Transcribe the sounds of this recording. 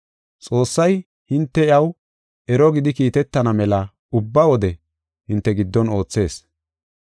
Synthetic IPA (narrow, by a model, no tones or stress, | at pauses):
t͡sʼo̞ːsːɐj | hɪnt̪ːɛɪɐw | ʔɛɾɔɡɪd̪ɪkiːt̪ɛt̪ːɐnɐmɛlɐ | ʊbːɐwɔd̪ɛ | hɪnt̪ːɛɡɪd̪ːɔno̞ːt͡sːe̞ːs